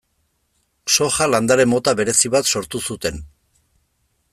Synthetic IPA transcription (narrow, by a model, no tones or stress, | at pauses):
so̞xaland̪aɾe̞mo̞t̪aβe̞ɾe̞siβat̪so̞ɾt̪usut̪e̞n